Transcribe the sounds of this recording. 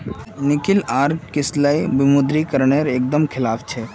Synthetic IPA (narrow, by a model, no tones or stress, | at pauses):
nɪkɪlaːɾkɪslaibimud̪ɾikəɾɳeɾek̚d̪əmkʰɪlaːpʰt͡ʃʰɛ